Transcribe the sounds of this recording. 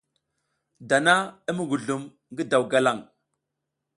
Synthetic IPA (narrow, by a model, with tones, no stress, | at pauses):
da˨na˦ə˦mə˦ɡu˨ɮu˨m | ŋɡə˦da˨wɡa˦la˦˨ŋ